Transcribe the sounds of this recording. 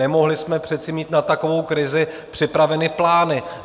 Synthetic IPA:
ɛmo̞ɦlɪsmɛpr̥ɛt̪t͡sɪmiːt̪nat̪akovo̞wkɾɪzɪ | pr̝̥ɪpɾavɛnɪplaːnɪ

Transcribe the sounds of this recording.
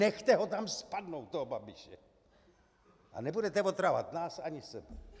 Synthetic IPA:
nɛxt̪ɛɦot̪amspadnowt̪̚t̪ːoɦobabɪʃɛ̰ | ʔa̰nɛbudɛt̪ɛvot̪ɾava̰t̪naːsaɲɪsɛbɛ

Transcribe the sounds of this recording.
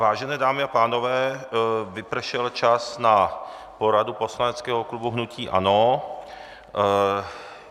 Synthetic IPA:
vaːʒɛnɛːdaːmɪapaːno̞vɛːvɪpr̩ʃɛlt͡ʃasna | po̞ɾadupo̞slanɛt͡skɛːɦoklubuɦnuciːʔa̰no

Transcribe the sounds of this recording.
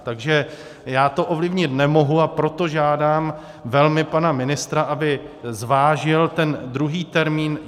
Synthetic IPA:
t̪aɡʒɛ | jaːt̪o̞ʔovlɪvɲɪt̪nɛmo̞ɦuapɾo̞t̪o̞ʒaːdaːm | vɛlmɪpanamɪnɪst̪ɾaʔabɪzvaːʒɪlt̪ɛndɾuɦiːt̪ɛɾmiːn

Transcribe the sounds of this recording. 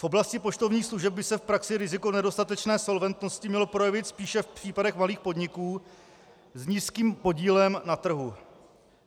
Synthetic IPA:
fʔo̞blascɪpo̞t͡ʃt̪o̞vɲiːxsluʒɛb̚bɪsɛfpɾaksɪɾɪzɪkonɛdo̞st̪at̪ɛt͡ʃnɛːso̞lvɛnt̪no̞scɪmɲɛlo̞pɾo̞jɛvɪt̪spiːʃɛfpr̥iːpadɛxmaliːxpo̞dɲɪkuː | zɲiːskiːmpo̞ɟiːlɛmnat̪r̩ɦu

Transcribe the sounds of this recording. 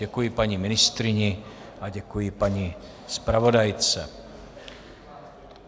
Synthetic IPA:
ɛkujipaɲimɪnɪst̪ɾɪɲiʔaɟɛkujipaɲi | spɾavodajt͡sɛ̰

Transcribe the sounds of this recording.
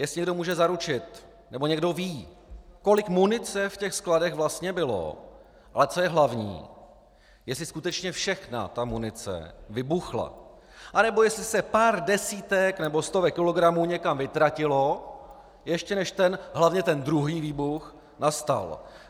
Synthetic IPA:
jɛslɪɲɛɡdo̞muːʒɛzaɾut͡ʃɪt̪ | nɛbo̞ɲɛɡdo̞viː | ko̞lɪkmunɪt͡sɛfcɛxskladɛɣvlast̪ɲɛbɪlo̰ | ʔalɛt͡so̞jɛɦlavɲḭː | jɛslɪskut̪ɛt͡ʃɲɛfʃɛxna̰t̪amunɪt͡sɛ̰vɪbuxla̰ | ʔanɛbo̞jɛslɪsɛpaːɾdɛsiːt̪ɛknɛbo̞st̪o̞vɛkːɪlo̞ɡɾamuːɲɛkamvɪt̪ɾacɪlo̞ | jɛʃcɛnɛʃt̪ɛnɦlavɲɛt̪ɛnd̪ɾuɦiːviːbux | nast̪a̰l

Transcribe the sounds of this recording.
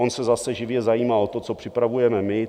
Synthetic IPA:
onsɛzasɛʒɪvjɛzajiːmalt̪o̞t͡so̞pr̥ɪpɾavujɛmɛmɪ

